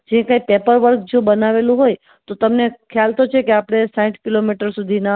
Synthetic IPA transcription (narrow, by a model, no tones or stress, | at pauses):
d͡ʒẽkãipepəɾʋəɾkd͡ʒobənaʋelũɦoj | t̪ot̪əmnekʰjalt̪ot͡ʃʰekeapɽ̃esãʈkilomiʈəɾsud̪ʱina